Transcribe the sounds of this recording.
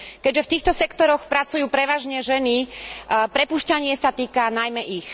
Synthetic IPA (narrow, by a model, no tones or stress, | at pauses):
kɛɟʒɛft̪iːxt̪ɔsɛkt̪ɔɾɔxpɾat͡sujuːpɾɛʋaːʒɲɛʒɛni | pɾɛpuːʃcaɲɪɛsat̪iːkanajmɛʔix